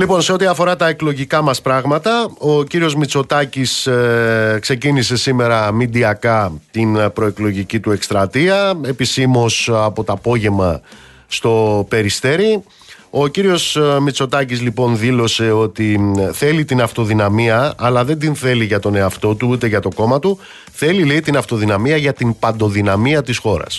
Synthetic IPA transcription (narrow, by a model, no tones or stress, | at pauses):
lipo̞nse̞o̞t̪iɐfo̞ɾɐt̪ɐe̞klo̞ʝikɐmɐspɾɐɣmɐt̪ɐo̞ciɾio̞zmit͡so̞t̪ɐcis | kse̞cinise̞sime̞ɾɐmid̪iɐkɐt̪inpɾo̞e̞klo̞ʝicit̪ue̞kst̪ɾɐt̪iɐe̞pisimo̞sɐpo̞t̪ɐːpo̞ʝe̞mɐ | st̪o̞pe̞ɾist̪e̞ɾi | o̞ciɾio̞smit͡so̞t̪ɐcizlipo̞nðilo̞se̞o̞t̪iθe̞lit̪inɐft̪o̞ðinɐmiɐɐlɐðe̞nd̪inθe̞liʝɐt̪o̞ne̞ɐft̪o̞t̪uut̪e̞ʝɐt̪o̞ko̞mɐt̪u | θe̞lileit̪inɐft̪o̞ðinɐmiɐʝɐt̪impɐnd̪o̞ðinɐmiɐt̪isxo̞ɾɐ̰s